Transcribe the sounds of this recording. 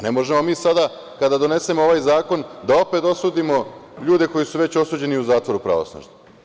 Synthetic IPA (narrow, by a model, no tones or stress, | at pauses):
nemo̞ʒemo̞miːsad̪a | kad̪ad̪o̞ne̞semooʋajzaːko̞nd̪ao̞pe̞t̪o̞suːd̪imo̞ʎuːd̪e̞ko̞jisuʋe̞t͡ɕo̞suːd͡ʑe̞niuzaːt̪ʋo̞ɾupɾa̰ʋo̰sno̰ʒni